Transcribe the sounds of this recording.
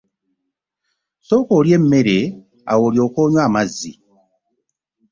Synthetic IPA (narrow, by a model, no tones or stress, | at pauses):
soːkoːɾjemmeɾe | a̰woːɾjo̞ːkoːɲwaːmazi